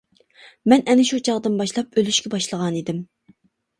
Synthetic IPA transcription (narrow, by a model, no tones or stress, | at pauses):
mɛnʔɛnɪʃut͡ʃʰɑʁd̪ɨnbɑʃlˠɑp̚ølyʃkʲɛbɑʃlˠəʁɑnid̪ɪm